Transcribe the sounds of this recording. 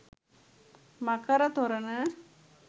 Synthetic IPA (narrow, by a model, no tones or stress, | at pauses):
mɐkɐɾɐt̪ɔɾɐnɐ